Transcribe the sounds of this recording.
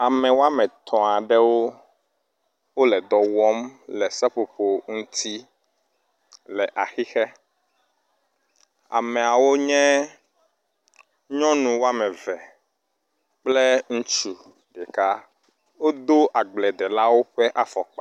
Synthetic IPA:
a˨mɛ̃˨wo˦a˦mɛ̃˨t̪ʰɔ̃˨a˨ɖɛ˦wo˦ | wo˦lɛ˨d̪ɔ˨wɔ˦mlɛ˨sɛ˦ɸo˨ɸo˨ŋũ˦t̪ʰi˦ | lɛ˨ʔa˨xi˦xɛ˦ | a̰˨mɛ̃˨a˨wo˦ɲɛ̃˦ | ɲɔ̃˦nũ˨wo˦a˦mɛ̃˨vɛ˨ | k͡plɛ˦ŋũ˦t͡ʃu˨ | ɖɛ˨ka˦ | wo˦d̪o˦ʔa˨ɡ͡blɛ˨d̪ɛ˨la˦wo˦ɸɛ˦ʔa˦fɔ˨k͡pa˨

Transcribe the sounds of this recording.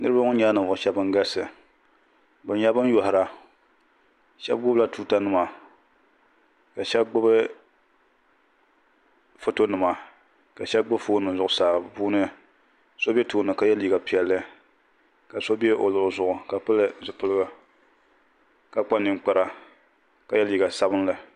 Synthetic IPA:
nɨ˦ɾɨ˦ba˦ŋʊ˦ɲa˦nɨ˨vʊ˨ʃɛ˦bɨ˦ŋ˦ɡa˦sɨ˨ | bɨ˨n˦ɲa˦bɨ˦n˦jɔ˨hɪ˨ɾa˨ | ʃɛ̰˦b̚ɡʊ˦bla˦tuː˦ta˦nɨ˦ma˨ | ka˨ʃɛ˦bɡ͡bʊ˦bɨ˦ | fo˦to˦nɨ˨ma˨ | ka˨ʃɛ˦bɡ͡bʊ˦bfoː˦nɨ˨zʊ˨ʔʊ˨saː˨bɨ˨pu˦nɨ˦ | so˦be˦toː˦nɨ˨ka˨jɛ˦li˨ɡa˨pi˨ɛ˨lːɨ˦ | ka˨so˦be˦ʔo˨lɨ˨zʊ˨ʔʊ˨ka˨pɨ˦lɨ˦zɨ˨pɨ˦lɨ˦ɡɨ˨ | ka˦k͡pa˦nɨ˨ŋ˦k͡pa˦ɾa˦ | ka˨jɛ˦li˨ɡa˨sa˦bɨ˦nlɨ˦

